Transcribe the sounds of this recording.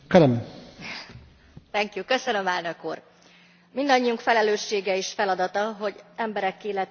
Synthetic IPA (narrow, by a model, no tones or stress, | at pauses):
kɛlɛm | t̪ɛŋkjukːøsønø̞mɛlnø̞kuːr | mind̪ɒɲːijuŋkfɛlɛløːʃːeːɡɛiʃfɛlɒd̪ɒt̪ɒɦo̞ɟɛmbɛɾɛkːiːlɛt̪